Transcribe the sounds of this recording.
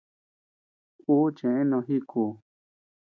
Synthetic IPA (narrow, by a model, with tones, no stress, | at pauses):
uː˦t͡ʃẽ˨ʔẽ˦nõ˧ɦi˦kʰuː˧˨